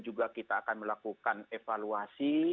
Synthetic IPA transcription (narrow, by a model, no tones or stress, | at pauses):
d͡ʒuɡakit̪aːkanməlakukanefaluasi